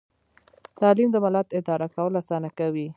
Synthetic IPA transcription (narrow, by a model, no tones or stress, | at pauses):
t̪ɑlimd̪əmalat̪ɪd̪ɑɾakawəlasɑnakawi